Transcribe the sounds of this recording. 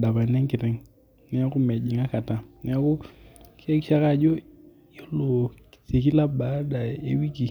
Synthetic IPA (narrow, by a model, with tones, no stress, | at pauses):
da˨pa˨nɛ˦ŋkɪ˨tɛ˦ŋ | nɛ˦a˦kʊ˦me˨d͡ʒi˨ŋa˦ka˨ta˨nɛ˦a˦kʊ˦ke˦kʃa˦ka˦˨d͡ʒo˦ | jo˦lo˨se˨ki˦la˦ba˨˦da˨e˦wi˦ki˨